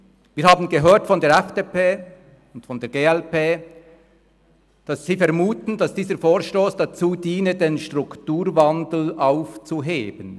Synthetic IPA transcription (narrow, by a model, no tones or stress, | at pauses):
viːhaːbn̩ɡəɦøːɐtfɔndeːɐɛfd̥eːpeː | ʊntfɔndeːɐɡeːɛlpeː | d̥asːiːfɛɐmuːtn̩dasd̥iːzəfoːɐʃtoːsd̥at͡suːdiːnədenʃtʁ̥ʊktuːʁvandl̩ʔaʊft͡suɦeːbən